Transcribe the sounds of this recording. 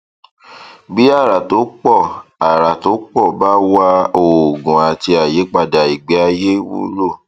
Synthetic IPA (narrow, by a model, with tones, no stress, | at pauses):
bi˦a˦˨ɾa˨to˨˦k͡pɔ˦˨a˨ɾa˨to˨˦k͡pɔ˦˨ba˦wa˧o˨ɡũ˨a˨ti˧a˨je˨˦k͡pa˧da˨i˨ɡ͡be˨˦a˧je˦wṵ˦ɾo˦˨